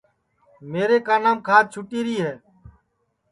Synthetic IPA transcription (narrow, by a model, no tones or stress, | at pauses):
meːɾeːkaːnaːmkʰaːt̪̚t͡ʃʰʊʈiːɾiːɦeː